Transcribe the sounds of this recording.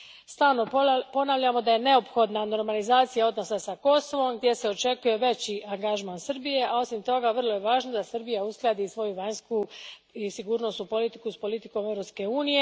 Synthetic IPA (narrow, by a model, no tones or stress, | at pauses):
st̪aːlno̞po̞naːʋʎamo̞d̪aje̞ne̞o̞pxo̞d̪nano̞ɾmalizaːt̪sijao̞d̪no̞sasako̞so̞ʋo̞mɡd̪je̞seo̞t͡ʃe̞kuje̞ʋe̞t͡ɕiʔaŋɡaʒmaːnsɨrbije̞ao̞simt̪o̞ɡaʋr̩lˠo̞je̞ʋaːʒnod̪asɨrbijausklˠad̪isʋo̞juʋaɲskuisiɡuːɾno̞st̪upo̞lit̪i̥kuspo̞lit̪iko̞me̞ʋɾo̞pske̞uːnije